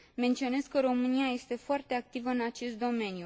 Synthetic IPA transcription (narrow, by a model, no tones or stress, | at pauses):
ment̪sio̞ne̞skəɾo̞mɨniaje̞st̪e̞foart̪e̞ak̚t̪ivəɨnat͡ʃe̞st̪̚d̪o̞me̞nju